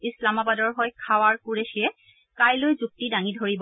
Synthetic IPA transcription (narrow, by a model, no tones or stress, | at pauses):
islamabadɔɹɦɔjkʰawaɹkuɹeʃiɛ | kajlojzuk̚tidaŋidʱoɹibɔ